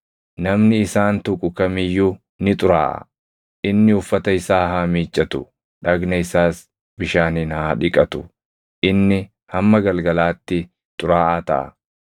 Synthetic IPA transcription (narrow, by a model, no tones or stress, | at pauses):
nɐmnɪɪsaːnt̪ʊkʼːʊkɐmɪjːu | nɪt̪ʼʊɾaːʔɐ̰ | ʔɪnːɪʊfːɐt̪ɐɪsaːɦaːmiːt͡ʃʼːɐt̪ʊ̰ | ᶑɐɡnɐɪsaːs | bɪʃaːniːnhaːᶑɪkʼɐt̪ʊ̰ | ʔɪnːɪ | hɐmːɐɡɐlɡɐlaːt̪ːɪ | t̪ʼʊɾaːʔaːt̪ɐ̰ʔɐ̰